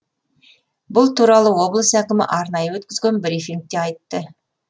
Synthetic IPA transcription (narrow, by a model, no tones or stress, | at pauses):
bʊlˠt̪ʰuɾɑlˠəwo̞blˠəsækʲɪmɪ̰ʔɑɾnɑjəwɵt̪kʲɪzɡʲe̞nbɪɾifʲiŋk̚t̪e̞ɑjt̪ːə